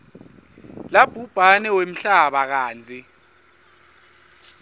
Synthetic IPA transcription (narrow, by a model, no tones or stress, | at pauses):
lab̥ʱub̥ʱanɛwem̩ɬaɓak̬aːnd͡zʱi